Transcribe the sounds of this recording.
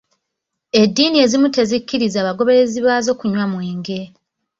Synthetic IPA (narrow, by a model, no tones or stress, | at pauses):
e̞dːiːnie̞ːzimute̞zikːiɾizaːβaɡo̞βe̞ɾe̞ziβaːzo̞ːkuɲwamwe̞ːŋɡe̞